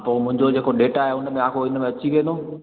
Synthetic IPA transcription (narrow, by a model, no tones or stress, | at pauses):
poːmʊ̃ɦɪ̃ɲd͡ʑod͡ʑeːkoɗeːʈaːɦeʊnəmẽãːkʰoɪnəmẽɐt͡ɕiʋẽːnd̪o